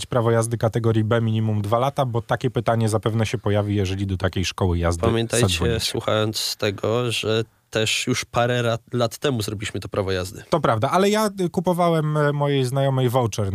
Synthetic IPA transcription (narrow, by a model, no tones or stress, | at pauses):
t͡ɕpɾavɔjazd̪ɘkat̪ɛɡɔɾjibɛmʲiɲimumd̪valat̪abɔt̪akʲɛpɘt̪aɲɛzapɛvnɛɕɛpɔjavʲijɛʐɛlʲid̪ɔt̪akʲejʂkɔwɘja̰zd̪pamjɛnt̪aj̪t͡ɕɛsswṵxa̰jɔnt̪sst̪ɛɡɔʐɛ | t̪ɛʂjuʂpaɾɛalat̪ːɛmuzɾɔbʲilʲiɕmɘt̪ɔpɾavɔjazd̪ɘt̪ɔpɾavd̪aʔalɛjakupɔvawɛmːɔjejznajɔmɛjvɔwt͡ʂɛɾ